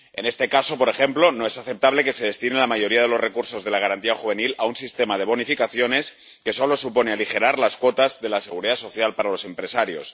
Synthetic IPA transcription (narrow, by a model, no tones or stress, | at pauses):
e̞ne̞st̪e̞kaso̞po̞ɾe̞xe̞mplo̞no̞e̞saθe̞p̚t̪aβle̞ke̞se̞ðe̞st̪inelamaʝo̞ɾiaðe̞lo̞zre̞kuɾso̞zðe̞laɣ̞aɾant̪iaxuβ̞e̞nilaunsist̪e̞mað̞e̞β̞o̞nifikaθjo̞ne̞s | ke̞so̞lo̞supo̞nealixe̞ɾaɾlaskwo̞t̪azðe̞lase̞ɣ̞uɾiðaso̞θjalpaɾalo̞se̞mpɾe̞saɾjo̞̰s